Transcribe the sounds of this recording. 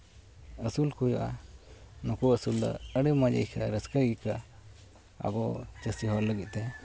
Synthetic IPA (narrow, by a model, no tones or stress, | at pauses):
əsulkujɔʔa | nɔkuəsuld̪ɔ̰əɽimad͡ʒə̰jkʰaɾəskəɡika | a̰ɡɔt͡ʃəsiɦɔɾləɡit̪̚t̪ɛ